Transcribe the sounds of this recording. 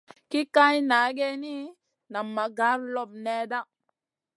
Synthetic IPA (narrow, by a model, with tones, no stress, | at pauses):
ki˦ka˦jna˨˦ɡe˦ni˦ | na˨mːa˨ɡa˨˦ɾlɔ˦b̚nɛ˦da˦